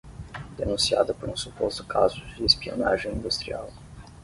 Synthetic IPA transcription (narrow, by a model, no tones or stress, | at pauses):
d̪enũsia̰d̪ɐpoɾũsupost̪ʊ̥kʰazʊd͡ʒd͡ʒɪespio̰na̰ʒẽj̃ĩnd̪ust̪ɾia̰w